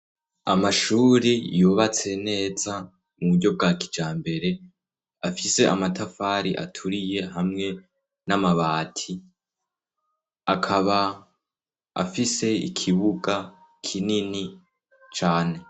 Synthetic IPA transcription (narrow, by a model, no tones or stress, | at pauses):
a̰maʃuɾijoːβat͡se̞ne̞ːza | muβudɟo̞b̚ɡaːki̥d͡ʒaːmbe̞ɾe̞ | afise̞ʔa̰matafaːɾiʔa̰tʰuɾije̞hamŋe̞ | namaβaːtʰi | akʰaβa | a̰fise̞ḭkʰiβuɡa | kʰinini | t͡ʃaːne̞